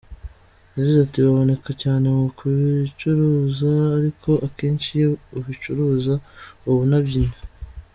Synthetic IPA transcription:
jaɟizatiβaβo̞ne̞kacaːne̞mukuβit͡ʃuɾuːzaːɾikʰo̞ʔake̞ːnʃijeuβit͡ʃuɾuːzauβunaβɟine

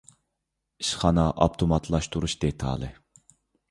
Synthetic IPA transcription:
iʃχɑnɑʔɑpt̪ʰomɑt̪ʰlˠɑʃt̪ʰuɾuʃd̪et̪ʰɑ̰lˠɨ

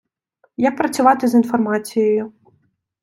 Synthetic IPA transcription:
jɐk̚pɾɐt̪sʲuvat̪ɨzinfarmasʲijɐju

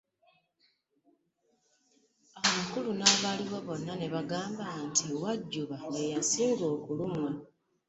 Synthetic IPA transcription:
aβakulunaβaːliɣeβo̞nːane̞βaɡaːmbantʰiwaɟːuβaŋɡe̞jasiːŋɡo̞ːkulumwa

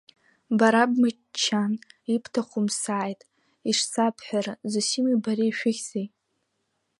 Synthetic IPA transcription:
baɾabma | t͡ʃʰːanipʰtʰaχʷʊmsaːjtʼ | iʂsapʰħʷᶣarazɨsimibaɾiːʃᶣʊɣʲzej

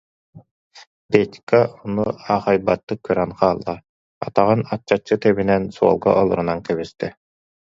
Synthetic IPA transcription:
pɛt̪ʲkaɔnuaːχajbat̪ːɯkːœɾɛnqaːlˠːa | a̰t̪aʁɯnat͡ɕːat͡ɕːɯt̪ɛβinɛnsuɔ̰lˠɡa̰ʔɔlˠuɾunankɛβist̪ɛ

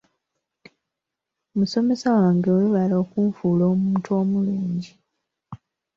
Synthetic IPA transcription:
muso̞me̞sawaːŋɡeoluβalo̞ːkuːɱfuːlo̞ːmuːnto̞ːmuluːɲɟi

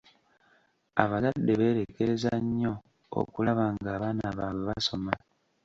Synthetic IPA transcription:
a̰βazadːe̞βe̞ːɾe̞ke̞ɾezaɲːo̞ | o̰kulaβaːŋɡaːβaːnaβaːweβaso̞ma

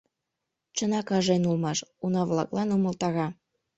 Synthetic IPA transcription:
t͡ɕənɑkɑʒenulmɑʃunɑβlɑ̰klɑnumə̆lt̪ɑɣɑ

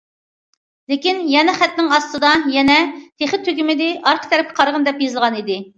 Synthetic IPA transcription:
lekʲinjɛnɛχæt̪nɪŋɑst̪ɨd̪ɑjɛnɛt̪ʰeχɪt̪ʰːøɡʲymɪd̪ɪʔɑɾqʰə̥t̪ʰɛɾɪp̚kʲʰɪ̥qʰɑɾʁənd̪ɛpjezɨlˠʁɑnid̪ɪ

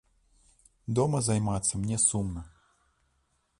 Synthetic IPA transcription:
d̪ɔmɐzajmat̪sːɐmnʲɛsumnɐ

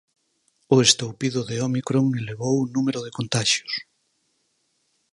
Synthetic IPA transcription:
ʊest̪owpiðʊðeomikɾoŋeleβ̞owunumeɾoð̞ekont̪aʃjo̥s

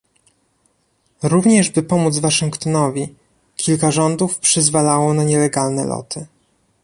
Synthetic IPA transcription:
ɾuvɲɛʐbɘpɔmud̪zvaʂɘŋkt̪ɔnɔvʲi | kʲʰilkaʐɔnd̪ufpʂɘzvalawɔnaɲɛlɛɡalnɛ̰lɔ̰t̪ɘ

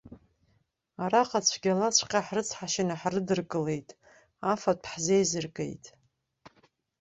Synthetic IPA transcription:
aɾaqʼat͡ɕʷʰɡʲalat͡ɕʷʰqʲʼaħrɨt͡sʰħaʃɪnaħrɨdɨrkʼɨle̞jtʼ | afapʰħzejzɨrkʼe̞̰jtʼ

